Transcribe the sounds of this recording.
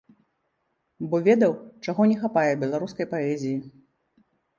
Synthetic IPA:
bɔvʲɛd̪ɐwt͡ʂaɣɔnʲɛxapajɛbʲɛlˠaɾuskɐjpaɛzʲiji

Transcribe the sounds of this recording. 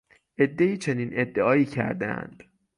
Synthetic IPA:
ʔe̞d̪ːe̞iːt͡ʃʰe̞niːnʔe̞d̪ːeɒːiːcʰæ̰ɾd̪æ̰æ̰nd̪̥

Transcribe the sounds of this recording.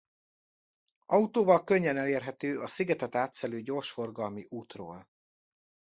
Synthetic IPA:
ɒut̪oːvɒlkøɲːɛnɛleːrɦɛt̪øːʔɒsiɡɛt̪ɛt̪aːt̪sɛløːɟo̞ːrʃfo̞rɡɒlmiʔuːt̪ro̰ːl

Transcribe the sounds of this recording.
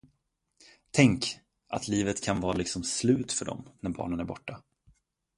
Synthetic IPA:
t̪ʰɛŋk | ʔa̰t̪ʰliːvət̪kʰanvɑːlɪksɔmslʉ̟ːt̪fœɖɔ̰mnæɾbɑ̰ːɳənæɾbɔʈːa

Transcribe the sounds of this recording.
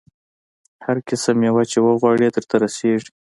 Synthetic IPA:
haɾkɪsəmjewat͡ʃewəɣwɑɽed̪əɾt̪aɾaseʐi̥

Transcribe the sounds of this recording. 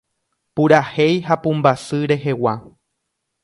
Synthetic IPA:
puɾahe̞jɦapũmbasɨɾe̞ɦe̞wa

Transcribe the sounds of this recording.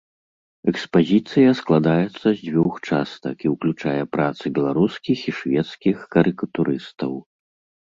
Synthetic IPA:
ɛkspazʲit̪sɨjɐsklˠad̪ajɛt̪sːɐzʲd͡zʲvʲuxt͡ʂast̪ɐ̰kiwklʲut͡ʂajɛpɾat̪sɨbʲɛlˠaɾuskʲixiʂvʲɛt̪skʲixkɐɾɨkɐt̪uɾɨst̪ɐw

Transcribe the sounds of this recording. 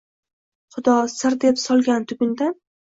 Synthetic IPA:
χʊd̪ɒsɪɾd̪e̞psɒlˠɡʲant̪ʰʊɡʲɪnd̪an

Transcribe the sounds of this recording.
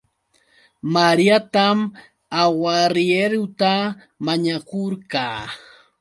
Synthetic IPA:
maɾijat̪am | awaɾjeɾʊt̪a | maɲakoɾkaː

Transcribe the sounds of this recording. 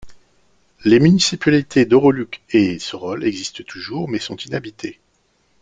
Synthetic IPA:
lemynisipalit̪ʰed̪ɔʁɔlykʲesəʁɔlɛɡzist̪ət̪ʰuʒuʁmɛsɔ̃t̪inabit̪ʰe

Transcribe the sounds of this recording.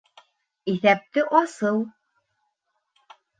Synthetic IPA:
iθæp̚t̪ɘʔɑsɤw̪ˠ

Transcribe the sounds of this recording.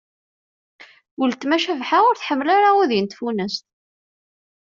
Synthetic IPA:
wəlt̪mæʃævħaʊɾθħəmːəlaɾaiðjənt̪funəst̪

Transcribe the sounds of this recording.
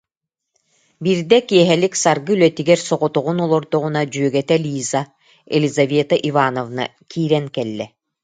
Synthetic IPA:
biɾd̪ɛkiɛɦɛliksaɾɡɯylœt̪iɡɛɾsɔʁɔt̪uʁunɔlˠɔɾd̪ɔʁunad͡ʑyœɡɛt̪ɛlʲiːza | ɛ̰lʲizaveːt̪aʔivaːnɔvna̰ | kʰiːɾɛŋkɛlːɛ

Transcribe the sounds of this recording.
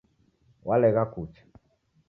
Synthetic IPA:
walɛɣakut͡ʃḁ

